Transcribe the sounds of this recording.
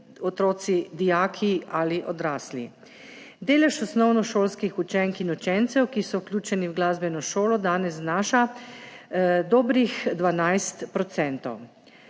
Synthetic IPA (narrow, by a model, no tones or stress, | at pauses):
ɔt̪ɾoːt̪sid̪ijaːkʰialiʔɔd̪ɾaːslḭ | d̪eːlɛʃɔsnɔwnɔʃoːlskixut͡ʃɛŋkinut͡ʃɛnt̪sɛwkisɔwklʲjuːt͡ʃɛniwɡlaːzbɛnɔʃoːlɔd̪aːnɛzznaːʃa | d̪ɔːbɾixd̪ʋanajst̪pɾɔt̪sɛnt̪ɔ̰w